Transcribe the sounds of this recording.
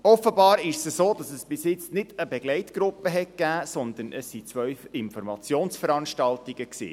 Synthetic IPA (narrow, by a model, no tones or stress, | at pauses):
ɔfəbɑːɾɪʃsəsoːdɑsəsb̥ɪsjɪt͡snɪd̥əbɛɡlɛɪtɡ̥ɾʊpːəɦɛt̚kæːsɔnd̪ənəsːit͡sʋœɥfɪnfɔɾmɑt͡sjoːnsfəɾɑnʃtɑltiɡ̥əksḭː